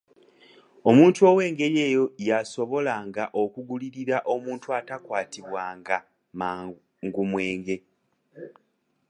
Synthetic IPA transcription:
o̞muːntuo̞ːwe̞ːŋɡe̞ɾje̞ːjo̞jaso̞βo̞laŋɡaʔo̞kuɡuliɾiɾaʔo̞muːntuatakwaːtiβwaːŋɡa | ma | ŋɡumwe̞ːŋɡe̞

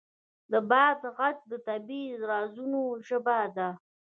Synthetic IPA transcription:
d̪əbɑːd̪ɣat͡ʃ̚d̪ət̪abizɾɑzunoʃəbad̪a

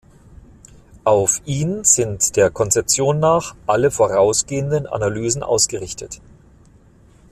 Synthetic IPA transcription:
ʔaʊfʔiːnz̥ɪntd̥eːɐkʰɔnt͡sɛp̚t͡sjoːnːaːχʔaləfoːʁaʊsɡ̥eːəndənʔa̰nalyːzn̩ʔa̰ʊsɡ̥əʁɪçtət

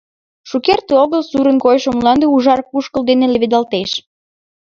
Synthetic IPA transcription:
ʃukert̪eoɣəlsuɾənkojʃomllɑnd̪euʒɑrkuʃkəld̪eneleβed̪ɑlt̪eʃ

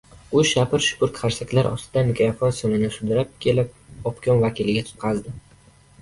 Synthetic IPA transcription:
ʊʃapʰɪɾʃʊ̥kʊɾkʰaɾsakʲlaɾʔɒ̰st̪ʰɪd̪amɪkʲʰɾafonsonɪnɪsʊd̪ɪɾap̚kʲʰe̞lɪp̚ɒpkʲʰɒnvakʲʰilɪɡʲat̪ʰʊ̥t̪̚qʰɑzd̪ɪ

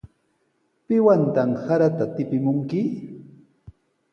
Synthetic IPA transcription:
pɪwant̪amsaɾat̪at̪ɪpɪmʊŋkɪ

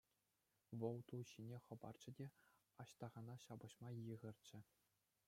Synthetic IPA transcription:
ʋɤ̆lˠt̪uɕinʲeχɤ̆bɑ̰rd͡ʑɘ̆dʲe | ɑɕt̪ɑʁɑnɑɕɑbɤ̆ɕmɑjɯʁɘ̆rʲt͡ɕɘ̆

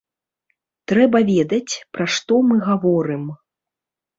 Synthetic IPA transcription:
t̪ɾɛbɐvʲɛd̪ɐt͡sʲpɾaʂt̪ɔmɨɣavɔɾɨm

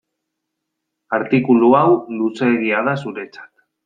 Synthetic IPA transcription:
aɾt̪ikuluawluse̞ɣiað̞asuɾe̞t͡sḁt̪

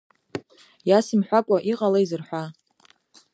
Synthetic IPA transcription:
jasimħʷakʷʼaʔiqʼalaizɨrħʷa

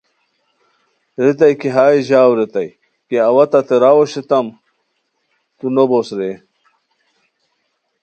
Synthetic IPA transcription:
ɾit̪ɐjkiɦaːiʑaːwɾit̪ɐj | keɐwɐt̪ɐt̪eɾawoɕet̪ɐm | t̪unobosɾe

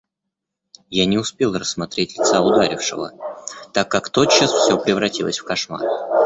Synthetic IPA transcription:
janʲɪʊspʲe̞lˠrəsːmɐt̪ɾʲetʲlʲɪt̪saʊd̪aɾʲɪfʂɨ̰və̰t̪akːakt̪o̞t͡ɕːəsfsʲɵpɾʲɪvɾɐtʲilˠəsʲfkɐʂma̰r

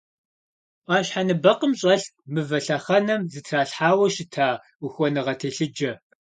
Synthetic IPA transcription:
ʔaːʃɕħanɨbɐqəmɕʼɐɬmɨvɐɬɐχɐnɐmzɨtʰraːɬħaːwɐʃɪtʰaː | uxʷɔnɨʁɐtʰeːɬɨd͡ʒɐ

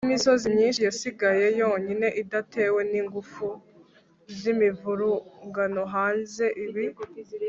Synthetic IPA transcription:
niso̞ziɲiːnʃijasiɡaje̞jo̞ːɲine̞ʔidatʰe̞ːwe̞niːŋɡufu | zimivuɾuŋɡanoɦaːnze̞ʔiβi

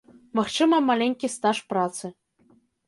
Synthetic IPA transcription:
maxt͡ʃɨmɐmalʲeŋʲkʲist̪aʂprat̪sɨ

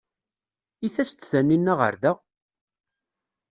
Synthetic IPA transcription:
iθæt͡sːt͡s̪ːθænːinːæʁə̰ɾðæ

